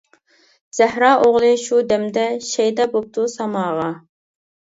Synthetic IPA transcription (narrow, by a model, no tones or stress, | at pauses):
z̥æhɾɑːʔoʁlˠɨʃud̪ɛmd̪ɛʃɛjd̪ɛbop̚t̪ʰusɑmɑːʁɑ